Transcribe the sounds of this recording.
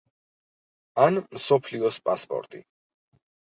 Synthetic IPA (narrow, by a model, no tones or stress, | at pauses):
anmsɔpʰliɔspʼaspʼɔ̰ɾt̪ʼḭ